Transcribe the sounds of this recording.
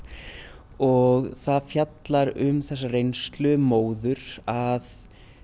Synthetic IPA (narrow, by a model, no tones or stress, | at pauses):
ɔɣθaðfjat̪laɾʏmθɛsːarejnst̪lʏmoːwðʏɾað